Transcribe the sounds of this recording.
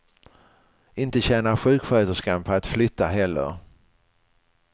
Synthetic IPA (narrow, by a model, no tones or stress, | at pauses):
ɪnt̪əɕɛːnaɾɧʉ̟ːkfœt̪əʂkanpʰɔat̪flʏt̪ʰːaɦɛlːə̰ɾ